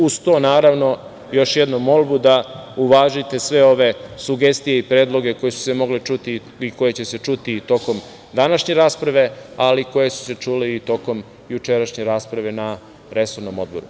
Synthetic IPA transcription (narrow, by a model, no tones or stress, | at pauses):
ust̪onaːɾaʋno̞ | jo̞ʃjed̪nomːo̞lbud̪auʋaːʒit̪e̞sʋe̞o̞ʋe̞suɡe̞st̪ijeipɾe̞ːd̪lˠo̞ɡe̞ko̞jesu̥se̞mo̞ɡlet͡ʃut̪i | iko̞je̞t͡ɕe̞se̞t͡ʃut̪it̪o̞ko̞m | d̪anaʃɲe̞ɾaːspɾaʋe̞aliko̞je̞su̥se̞t͡ʃuːleit̪o̞ko̞m | jut͡ʃeɾaʃɲe̞ɾaːspɾaʋe̞na | ɾe̞so̞ɾnomo̞d̪̚bo̞ɾṵ